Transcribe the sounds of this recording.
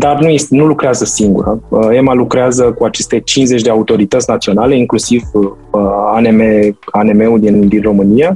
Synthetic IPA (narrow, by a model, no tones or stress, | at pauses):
d̪arnujest̪nulukɾeazəsiŋɡṵɾəəe̞malukɾeazəkuat͡ʃe̞st̪e̞t͡ʃinze̞t͡ʃʲd̪eaut̪o̞ɾit̪ət̪sʲnat̪sio̞nale̞iŋklusiv | əanemeane̞me̞ud̪ind̪inro̞mɨnija